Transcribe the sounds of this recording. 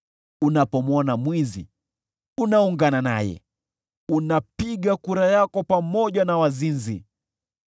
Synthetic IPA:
unapɔmɔnamwizḭ | unauŋɡanana̰jɛ̰ | unapiɠakuɾajakɔpamɔʄanawazinzḭ

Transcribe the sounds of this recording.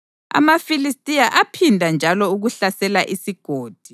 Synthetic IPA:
a̰mafilistʼijaʔapʰindʱand͡ʒʱalɔuɣuɬasɛlaʔisiɡ̥ʱoːd̥ʱi

